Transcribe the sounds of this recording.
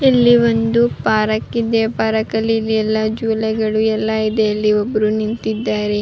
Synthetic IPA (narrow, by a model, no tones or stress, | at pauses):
elːiʋond̪upaːɾɐkːid̪epaːɾɐkɐliliɛlːɐd͡ʒuːlɛɡɐɭuɛlːɐid̪eɐlːiobːɐɾunint̪id̪ːaːɾe